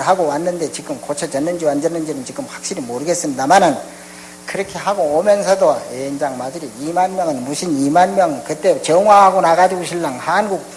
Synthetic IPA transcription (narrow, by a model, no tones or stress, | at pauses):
ɾɦaɡowanːɯnde̞t͡ɕiɡɯmkot͡ɕʰʌd͡ʑʌnːɯnd͡ʑiwand͡ʑʌnːɯnd͡ʑinɯnt͡ɕiɡɯmɸwak̚ɕ͈iɾimoɾɯɡe̞s͈ɯmɲidamanɯn | kɯɾʌkʰe̞aɡoomjʌnsʰʌdoend͡ʑaŋmadɯɾiimanmjʌŋɯnmuɕʰinimanmjʌŋkɯt͈e̞t͡ɕʌŋwaɦaɡonaɡad͡ʑiɡoɕʰiɭːaŋhanɡuk̚p